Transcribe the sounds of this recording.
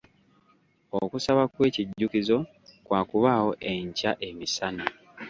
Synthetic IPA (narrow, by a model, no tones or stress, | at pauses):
okusaβakwe̞ːciɟːukizo̞ | kwaːkuβaːwo̞ʔe̞ɲcaʔe̞misana